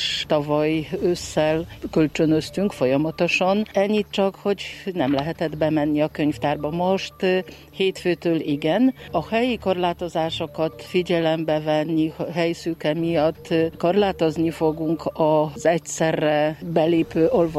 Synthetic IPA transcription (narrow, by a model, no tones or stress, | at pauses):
ʃt̪ɒvɒjøsːɛlkølt͡ʃønøst̪yŋkfo̞jɒmɒt̪oʃɒnɛɲːit̪̚t͡ʃɒkho̞ɟnɛmlɛɦɛt̪ɛd̪bɛmɛnːiɒkøɲft̪aːrbɒmo̞ʃt̪ | heːt̪føːt̪øːliɡɛnɒhɛjiko̞rlaːt̪o̞zaːʃokɒt̪fiɟɛlɛmbɛvɛnːiɦɛjsykɛmijɒt̪ːko̞rlaːt̪o̞znifo̞ɡuŋkɒzɛcsɛrːɛbɛleːpøːʔo̞lvo